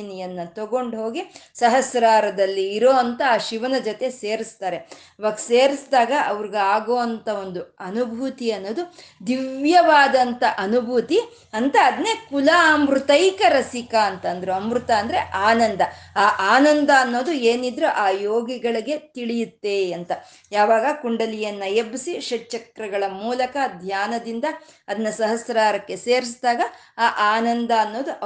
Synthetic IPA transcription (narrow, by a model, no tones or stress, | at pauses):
nijɐnːɐt̪ɔɡo̞ɳɖɦo̞ːɡisɐɦɐsɾaːɾɐd̪ɐlːiːɾoːɐnt̪ɐaːʃiʋɐnɐd͡ʒɔt̪e̞seːɾist̪aːɾe̞ | ɐʋaːɡɐseːɾisd̪aːɡɐʔɐʋɐɾiɡeaːɡoːɐnt̪ɐo̞nd̪uɐnubʱut̪iɐnːo̞ːd̪ud̪iʋʋjɐʋaːd̪ɐnt̪ɐʔɐnubʱut̪i | ɐnt̪ɐːd̪nekulamɾut̪ɐjkɐɾɐsikaːnt̪ɐnd̪ɐɾuɐmɾut̪ɐːnd̪ɐɾeʔaːnɐnd̪ɐaːʔaːnɐnd̪ɐːnːo̞ːd̪ueːnid̪ɾuʔaːjoːɡiɡɐɭiɡe̞t̪iɭijut̪ːe̞ɐnt̪ɐ | jaːʋaːɡɐkuɳɖɐlijɐnːɐjebisiʃɐʈːt͡ʃɐkɾɐɡɐɭɐmuːlɐkɐd̪ʱjaːnɐd̪ind̪ɐ | ɐd̪ɐnːɐsɐɦɐsɾaːɾɐkːe̞seːɾisd̪aːɡɐ | aːʔaːnɐnd̪ɐːnːo̞ːd̪uʔ